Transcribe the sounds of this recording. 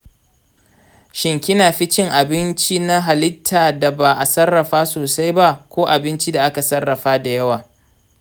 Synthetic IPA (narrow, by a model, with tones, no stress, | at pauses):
ʃɪ˨ŋkʲɪ˦naː˨ɸɪ˦t͡ʃɪ˦ŋʔa˨bɪ˦nt͡ʃi˦na˦ɦa˨lɪ˦tʰːaː˨da˨ba˨ʔa˨sɐ˦rːɐ˨ɸaː˦soː˨sa˦jba˦kʷoː˦ʔa˨bɪ˦nt͡ʃi˦da˨ʔa˦ka˨sɐ˦rːɐ˨ɸaː˦da˨jɐ˦waː˨